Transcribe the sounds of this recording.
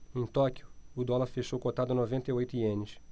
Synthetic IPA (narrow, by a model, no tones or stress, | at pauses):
ẽj̃t̪ɔkjʊːd̪ɔlɐɾfeʃowkot̪ad̪ʊɐnovẽnt̪ɐjojt̪ʊiẽnɪs